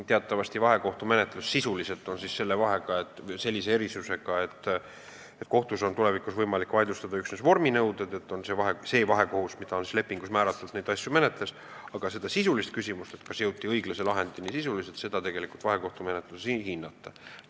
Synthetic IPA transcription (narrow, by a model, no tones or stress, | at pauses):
t̪e̞ɑt̪ːˑɑvɑst̪ivɑɦe̞ko̞ht̪ume̞net̪ˑlusːisulise̞lt̪ːˑo̞nsisse̞lːe̞vɑɦe̞ɡ̥ɑe̞t̪ːˑse̞lːise̞e̞ɾisuse̞ɡ̥ɑet̪ːˑ | et̪̚ːˑko̞ht̪uso̞nt̪ule̞vikusvɤjmɑlikːvɑjd̪ust̪ɑd̪ɑyksnesvo̞rminɤwd̪̥ed̪e̞t̪ːˑonsevɑɦese̞ːvɑɦe̞ko̞husmid̪̥ɑo̞nsisle̞pːiŋɡ̥usmæːɾɑt̪ːˑuld̪ned̪ɑsʲjume̞net̪ˑles | ɑɡ̥ɑse̞d̪ɑsisulist̪̚kysʲimust̪e̞t̪kɑsjɤwt̪ːˑiɤjɡ̥lɑselɑɦe̞nd̪inisisuliset̪se̞d̪̥ɑt̪e̞ɡ̥e̞likult̪vɑɦe̞ko̞ht̪ume̞net̪ˑlusihinːɑt̪ːˑɑ